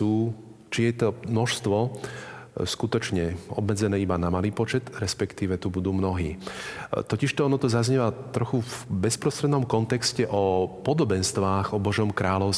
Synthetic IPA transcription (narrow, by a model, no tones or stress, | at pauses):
uː | t͡ʃijɛt̪ɔmnɔʃst̪ʋɔ | skut̪ɔt͡ʃɲɛɔ̰bmɛd͡zɛnɛːibanamaliːpɔt͡ʃɛt̪ɾɛspɛkt̪iːʋɛt̪ubud̪uːmnɔɦḭː | t̪ɔciʃt̪ɔɔnɔt̪ɔzazɲɛʋat̪ɾɔxuvbɛspɾɔst̪ɾɛd̪nɔmkɔnt̪ɛkscɛʔɔpɔd̪ɔbɛnst̪ʋaːɣɔbɔʒɔmkɾaːʎɔʊs